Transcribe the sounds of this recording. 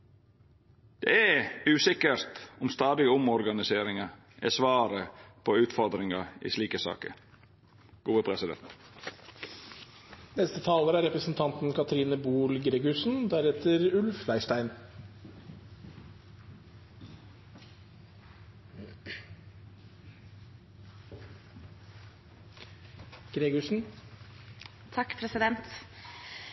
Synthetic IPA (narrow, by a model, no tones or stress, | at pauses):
d̪̥ḛæʉːsɪkəɾt̪ʊmst̪ɑːd̪ɪɡəʊmɔɾɡɑnɪseːɾɪŋɑ | ʔɛ̰sʋɑːɾəpʰɔʉːt̪fɔɾd̪ɾɪŋɑḭːsliːkəsɑ̰ːkə̰ | ɡ̥uːʋəpʰɾɛsɪd̪ɛ̰nt̪ | nɛst̪ət̪ʰɑːləɾæɾɛpɾəsn̩t̪ʰɑnt̪n̩kʰɑt̪ʰɾiːnəbuːlɡɾeɡʉsn̩d̪æɾɛt̪əɾʉlflæɪʂʈæɪn | ɡ̥ɾeɡʉʂn̩ | t̪ʰɑkːpʰɾɛsɪd̪ɛnt̪